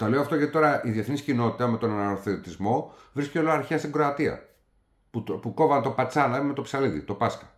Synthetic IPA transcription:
t̪ole̞oɐft̪o̞ʝɐt̪it̪o̞ɾɐiðieθniscino̞t̪it̪ɐme̞t̪o̞nɐnɐoθeot̪izmo̞vɾiscʲeo̞loɐɾçeɐst̪iŋɡɾo̞ɐt̪iɐ̰ | pupuko̞vɐnt̪o̞pɐt͡sɐnɐme̞t̪o̞psɐliðḭt̪opɐskɐ̥

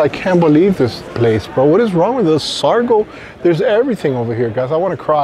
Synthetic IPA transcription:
aɪkʰæ̃nb̥əlivðɪspʰl̥eɪsb̥ʌt̚wʌɾɨzɹɔ̃ŋwɨðɪsɑɹɡoʊ | ðə˞zɛvɹiθɪ̃ŋoʊvə˞hiɹɡaɪzaɪwɑ̃ñɨkʰɹ̥a

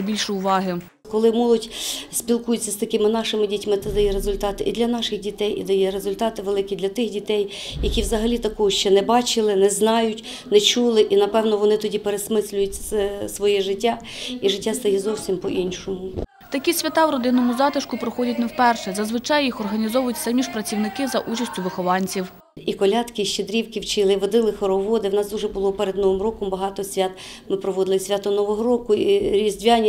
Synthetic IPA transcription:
bʲilʲʃɪʊʋɑɦɪ | kɔlˠɪmɔlˠɔdʲsʲpʲilˠkujʊt͡sʲːɐst̪ɐkɪmɪnɑʃɪmɪdʲitʲmɪt̪ɛd̪ɐjɛɾezʊlʲt̪ɑt̪ɪʔid̪lʲɐnɑʃɪxdʲit̪ɛjḭd̪ɐjɛɾezʊlʲt̪ɑt̪ɪʋelˠɪkʲid̪lʲɐt̪ɪxdʲit̪ɛj | jɐkʲiwzɐɦɐlʲit̪ɐkɔɦɔʃt͡ʃɛnɛbɑt͡ʃɪlˠɪnɛznɑjʊtʲ | nɛt͡ʃulˠɪʔinɐpɛwnɔʋɔnɪt̪ɔdʲipeɾesmɪsʲlʲʊjʊtʲssʋɔjɛʒɪtʲːa | iʐɪtʲːast̪ɐjɛzɔwsʲimpɔʔinʃɔmʊ | t̪ɐkʲisʲʋʲɐt̪ɑwɾɔd̪ɪnːɔmʊzɑt̪ɪʃkʊpɾɔxɔdʲɐtʲnɛwpɛrʃɛzɐzʋɪt͡ʃɑjːixɔrɦɐnʲizɔʋʊjʊtʲfsɛmʲiʃpɾɐt͡sʲiwnɪkɪzɐʔut͡ʃɐsʲtʲʊʋɪxɔlˠɑnʲt͡sʲiw | ikɔlʲɑt̪kɪʃt͡ʃed̪ɾʲiwkɪwt͡ʃɪlˠɪʋɔd̪ɪlˠɪxɔɾɔʋɔd̪ɪwnɑsd̪uʒɛbʊlˠɔpɛɾed̪nɔʋɪmrɔkɔmbɐɦɑt̪ɔsʲʋʲat̪ | mɪpɾɔʋɔd̪ɪlˠɪsʲʋʲat̪ɔnɔʋɔɦɔɾɔkʊiɾʲizʲdʲʋʲanʲ

